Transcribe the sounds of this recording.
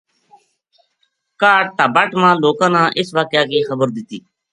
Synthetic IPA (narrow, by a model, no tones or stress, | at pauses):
kaːʈ̚t̪aːbaːʈmãːloːkãːnãːʔɪsʋaːkjaːkeːxəbəɾd̪ɪt̪iː